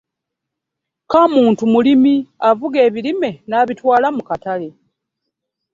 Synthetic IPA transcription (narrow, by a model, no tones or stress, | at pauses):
kamuːntumulimiavuɡe̞ːβilime̞naːβitwaːlamukatale̞